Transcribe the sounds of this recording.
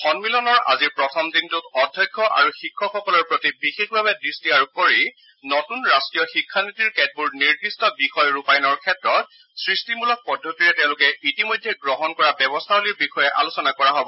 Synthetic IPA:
xɔnmilɔnɔɹa̰ziɹpɹɔtʰɔmdintʊtɔdʱjajkʰːɔʔa̰ɹuxikʰːɔxɔkɔlɔɹpɹotibixexbʱabɛdɹistiaɹup̚koɹi | nɔtunɹastɹijɔxikʰːanitiɹkɛd̚buɹniɹdistɔbixɔjɹupajnɔɹkʰɛtɹɔt̚ | sɹistimulɔk̚pɔdʱːotiɹɛtɛ̃ʊ̃lʊkɛitimɔjdʱːɛɡɹɔɦɔnkɔɹabɛbɔstʰaɦoliɹbixɔjɛʔa̰lusɔnakɔɹaɦɔbɔ

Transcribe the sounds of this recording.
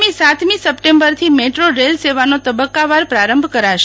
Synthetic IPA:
misat̪mĩsəpʈembəɾt̪ʰimeʈɾoɾelseʋanot̪əbəkːaʋaɾpɾaɾəmbʱkəɾaʃ

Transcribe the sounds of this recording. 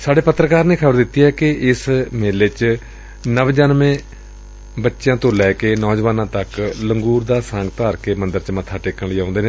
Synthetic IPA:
saːɖeːpət̪ːɾəkaːɾneːkʰəbəɾd̪ɪt̪ːiːɦɛːkɪɪsmeːleːt͡ʃ | nəʋd͡ʒənmẽː | bətːʃjãːt̪õːlɛːkeːnɔːd͡ʒʋaːnãːt̪əkləŋɡuːɾd̪aːsə̃ŋɡt̪aːɾkeːmənd̪əɾt͡ʃəmət̪ʰːaːʈeːkəɳliːãːnd̪eːneː

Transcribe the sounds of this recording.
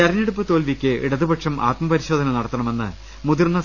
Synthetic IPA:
ɐɾɐneɽupːɨt̪o̞ːlʋikʲːɨḭɽɐðɨbɐʈʂɐmʔa̰ːt̪mɐpɐɾiɕo̞ːd̪ʱɐnɐnɐɽɐt̪ːɐɳɐme̞nːɨ̰ | mud̪irnːɐ

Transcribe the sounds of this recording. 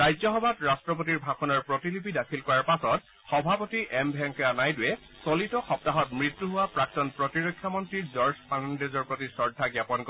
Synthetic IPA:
ɹajzɔxɔbʱatɹastɹɔpɔtiɹbʱakʰɔnɔɹpɹɔtilipidakʰilkɔɹaɹpasɔt̚ | xɔbʱapotiɛmbʱɛŋkɔanajduɛ | sɔlitɔxɔp̚taɦɔtmɹitːuɦʊwapɹak̚tɔnpɹɔtiɹɔkʰːjamɔntɹiɹzɔɹspʰanndezɔɹpɹotisɔɹdʱaɡjapɔnkɔ

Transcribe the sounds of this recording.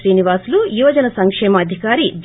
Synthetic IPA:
ɾiːniʋaːslujuːʋɐd͡ʒɐnɐsɐŋkʂɛːmɐːd̪ʱikaːɾid͡ʒ̪

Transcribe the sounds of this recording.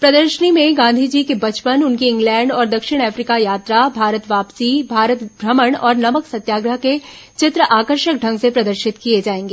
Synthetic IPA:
pɾɐd̪əɾʃənimẽɡãːnd̪ʱid͡ʒikebɐt͡ʃpənʊnkiɪ̃ŋɡlɛ̃ːɳɖɔːɾd̪ɐkʃɪɽ̃ɛːfɾiːkajaːt̪ɾabʱaːɾət̪ʋaːpsibʱaːɾət̪bʱɾəməɽ̃ɔːɾnɐməksɐt̪jaːɡɾəɦke | t͡ʃɪt̪ɾəʔaːkəɾʃək̚ɖʱɐ̃ŋɡsepɾɐd̪əɾʃɪt̪kied͡ʒaːẽːŋɡeː

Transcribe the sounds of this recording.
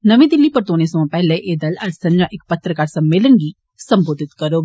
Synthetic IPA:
nəʋĩːd̪ɪlːiːpəɾt̪oːnẽːsɐãːpɛɦleʔeːd̪ɐlɐɾsɐ̃ɲd͡ʒãːʔɪk̚pət̪ɾəkaːɾsəmːeːlənɡiː | səmboːd̪ʱɪt̪kəɾoː

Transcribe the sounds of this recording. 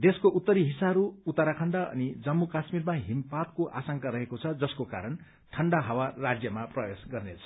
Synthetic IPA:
d̪eskoʔut̪ːʌɾiɦisaɦɾuut̪ːaɾakʰʌɳɖaʌ̰nid͡zʌmːukasmiɾmaɦimpat̪̚koʔa̰sʌŋkaɾʌɦekot͡sʰʌd͡zʌskoka̰ɾʌn | ʈʰʌɳɖaɦʌwarad͡zjʌmaprʌbesɡʌrnet͡sʰʌ̥

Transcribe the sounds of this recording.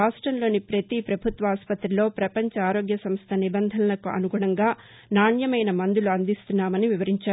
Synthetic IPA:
aːʂʈɾɐmlo̞ːnipɾɐt̪ipɾɐbʱut̪ʋɐaːspɐt̪ɾilo̞ːpɾɐpɐɲt͡ʃɐaːɾo̞ːɡjɐsɐmst̪ʰɐnibɐnd̪ʱɐnɐlɐkuɐ̰nuɡuːɽɐŋɡaː | naːɳjɐmɐjnɐmɐnd̪uluɐnd̪ist̪unːaːmɐniʋiʋɐɾiɲt͡ʃaːɾ

